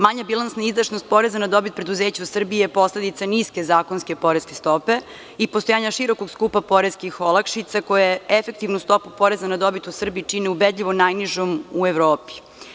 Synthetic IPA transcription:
maɲabilˠansnaizd̪aʃnost̪̚po̞ɾezanad̪o̞bit̪̚pɾed̪uzeːt͡ɕausr̩biepo̞sled̪it̪aniske̞zaːkonske̞po̞ɾeske̞st̪o̞pe̞ | ipost̪ojaːɲaʃiɾo̞koɡskuːpapo̞ɾeskixolˠakʃit̪sako̞jaefe̞k̚t̪iʋnust̪o̞pupo̞ɾezanad̪o̞bit̪usr̩biːt͡ʂineubed̪ʎʲiʋo̞najniʒomueʋɾoːpi̥

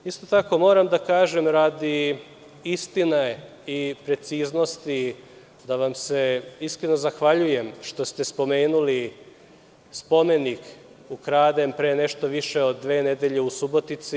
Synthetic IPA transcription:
ist̪o̞t̪ako̞mo̞ːɾamd̪akaːʒemɾad̪i | ist̪ina | ipɾe̞t̪siːzno̞st̪i | d̪aʋamse̞iskɾeno̞zaxʋaʎuje̞mʃt̪o̞st̪e̞spo̞me̞ːnuli | spo̞me̞nik | ukɾaːd̪e̞mpɾeːneʃt̪o̞ʋiʃeod̪ːʋe̞ːned̪eʎe̞usubo̞t̪it̪si

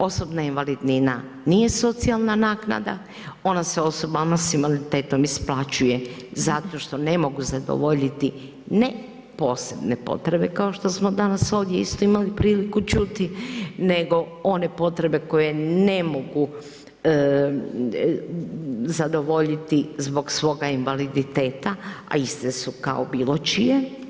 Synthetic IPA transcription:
o̞so̞bnainʋalid̪nina | nije̞so̞t̪sialˠnanaːkna̰d̪a̰ | o̞naseo̞so̞bamasimalit̪e̞ːt̪o̞misplˠat͡ʃuje̞zat̪o̞ʃt̪o̞ne̞mo̞ɡuzad̪o̰ʋo̞ʎit̪i | ne | po̞ːse̞bne̞po̞̰t̪ɾe̞be̞kao̞ʃt̪o̞smo̞d̪anaso̞ːʋd̪jeist̪o̞imalipɾiːlikut͡ʃut̪ine̞ɡo̞one̞po̞t̪ɾe̞be̞ko̞je̞ne̞mo̞ɡu | zad̪o̞ʋo̞ʎit̪izbo̞ɡsʋo̞ːɡainʋalid̪it̪e̞ːt̪aa̰ist̪esuka̰obiːlo̞t͡ʃije

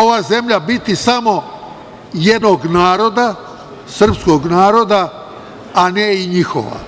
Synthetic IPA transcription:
oʋaːze̞mʎabit̪isamo̞ | jed̪noɡnaːɾo̞d̪a | sr̩psko̞ɡnaːɾo̞d̪aː | neiɲixo̰ʋa̰

